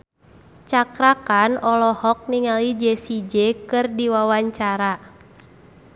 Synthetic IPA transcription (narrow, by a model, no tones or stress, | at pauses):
t͡ʃakɾakanɔlɔhɔk̚niŋalid͡ʒɛsid͡ʒɛkɨrdiwawaɲt͡ʃaɾa